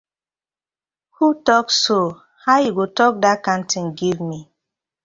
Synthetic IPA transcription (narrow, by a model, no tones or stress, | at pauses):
hutɔkso | hajiɡotɔk̚dakãntĩŋɡivmi